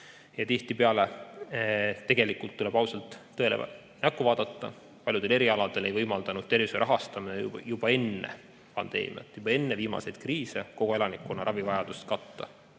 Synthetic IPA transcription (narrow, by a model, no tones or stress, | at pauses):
jɑt̪iht̪ipeɑle̞ | t̪e̞ɡ̥e̞likːˑult̪ːule̞b̥ɑwsɑlt̪ːɤe̞le | nækːˑuvɑːd̪ɑt̪ːɑ | pɑlʲjud̪e̞le̞ɾiɑlɑd̪̥e̞le̞jvɤjmɑld̪̥ɑnud̥̪̚e̞rviseɾʔɑɦɑst̪ɑminej̰jub̥ɑe̞nːḛ | pɑ̰nd̪̥e̞̰ːmḭɑ̰t̪ːˑjub̥ɑe̞nːeviːmɑ̰se̞jd̪̥̚kriːse̞ko̞kɡoe̞lɑnikːˑunɑɾɑvivɑjɑd̪̥ust̪kɑt̪ːɑ̰